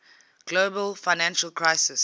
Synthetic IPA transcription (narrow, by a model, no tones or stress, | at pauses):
ɡ̥loːbəlfaɪnãnʃəlkʰɹaɪsɪs